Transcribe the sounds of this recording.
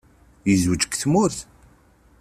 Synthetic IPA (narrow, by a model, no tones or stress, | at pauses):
jəzwət͡ʃə̥kθmʊɾθ